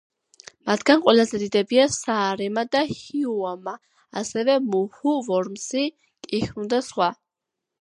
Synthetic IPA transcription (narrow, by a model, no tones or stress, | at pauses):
mat̪ʰɡanqʼwɛlazɛd̪id̪ɛbiasaːɾɛmad̪ahiuama | asɛvɛmuhuvɔɾmsi | kʼixmd̪asχwa